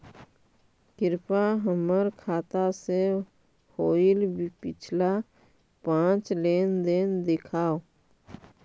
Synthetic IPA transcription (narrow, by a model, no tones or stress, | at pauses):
kɪɾpaɦəməɾkʰaːt̪ase | hoːilbpɪt͡ʃʰla | pãːt͡ʃleːnd̪eːnd̪ɪkʰaːo